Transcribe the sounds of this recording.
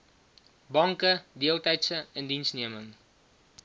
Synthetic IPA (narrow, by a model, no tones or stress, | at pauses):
bɐŋkədiəlˠtɛjtsəəndinsniəməŋ